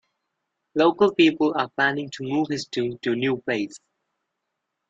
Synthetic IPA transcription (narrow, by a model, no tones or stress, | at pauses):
loʊkəlˠpiːˑpələpʰl̥anɪ̃ŋtʰumuːv̥ɪstʰũntʰunjuːpʰleɪs